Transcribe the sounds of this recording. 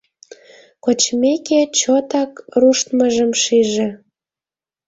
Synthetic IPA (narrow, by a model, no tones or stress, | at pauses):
kot͡ɕmeket͡ɕot̪ɑkruʃt̪məʒəmʃiʒĕ